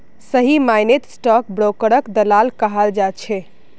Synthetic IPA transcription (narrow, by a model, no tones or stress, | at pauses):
səɦimajnet̪sʈɔk̚bɾokəɾəkd̪əlalkəɦald͡ʒat͡ʃʰɛ